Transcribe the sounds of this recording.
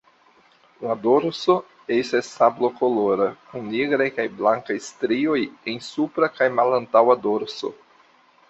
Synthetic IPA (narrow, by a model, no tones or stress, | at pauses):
ladoɾso | estasːablokoloɾakuŋneɡɾajkajblaŋkajstɾiojensupɾakajmalantawadoɾso̰